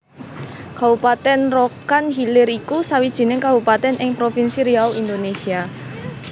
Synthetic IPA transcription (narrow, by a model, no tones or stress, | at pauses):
kabupat̪ɛnrokanhilɪɾikusawid̥ʒ̥i̤nɪŋkabupat̪ɛnʔɪŋpɾofinsiɾiauind̪onesia